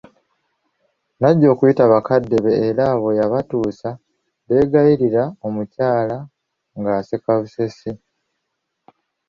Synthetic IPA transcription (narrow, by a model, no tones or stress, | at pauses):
naɟːo̞ːkujitaβakadːe̞βe̞ːɾaːβo̞jaβatuːsa | βe̞ːɡajiɾiɾaomucaːla | ŋɡaːsekaβusese